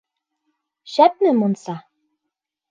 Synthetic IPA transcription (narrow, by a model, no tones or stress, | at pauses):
ʃæt̪̚nɘ̆monsɑ